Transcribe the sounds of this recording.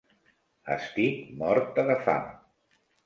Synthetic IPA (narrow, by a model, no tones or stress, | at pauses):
ə̰st̪ikmɔɾt̪̚əðəfa̰m